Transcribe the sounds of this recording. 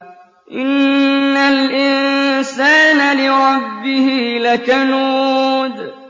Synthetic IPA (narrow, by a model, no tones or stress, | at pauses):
ʔɪnːalʔɪnsaːnalɪɾˤɑbːɪhilakanuːd̪